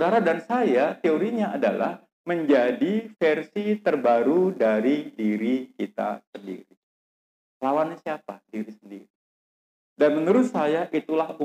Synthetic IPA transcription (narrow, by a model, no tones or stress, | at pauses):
udaɾadansajat̪eoɾiɲaada̰la̰h | məɲd͡ʒadifɛrsit̪ərbaɾudaɾidiɾikit̪a̰səndḭɾi | lawansiapadiɾisəndḭɾi | danməŋəɾʊt̪sajaʔit̪ulahu